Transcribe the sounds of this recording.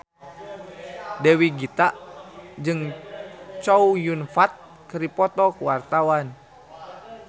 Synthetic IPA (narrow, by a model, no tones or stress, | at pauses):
dɛwiɡit̪aʔd͡ʒɨŋ | t͡ʃɔujunfat̪̚ | kəɾipɔt̪ɔkuwart̪awan